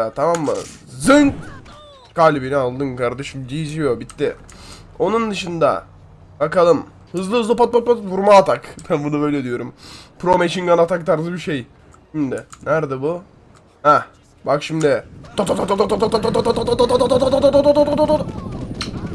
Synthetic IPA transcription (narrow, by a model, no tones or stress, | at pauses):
at̪ʰamamːɯ̰ | zɯŋk | kalʲbinialˠd̪ɯŋkaɾd̪ɛʃimd͡ʒiid͡ʒijobit̪ːɪ | o̞nund̪ɯʃɯnd̪a̰ | bakalˠɯm | hɯzlˠɯɦɯzlˠɯpat̪̚pat̪̚pat̪vuɾmaːt̪ʰakbænbunubø̞jlʲɛd̪ijo̞ɾumpʰɾomeʃiŋɡanat̪ʰak̚t̪ʰaɾzɯbiʃej | ʃimd̪ɪnæɾd̪ɛbu | hɛ | bakʃimd̪ɪt̪ot̪ot̪ot̪ot̪ot̪ot̪ot̪ot̪ot̪ot̪ot̪ot̪ot̪ot̪t̪ot̪ot̪ot̪ot̪ot̪ot̪ot̪ot̪ot̪ot̪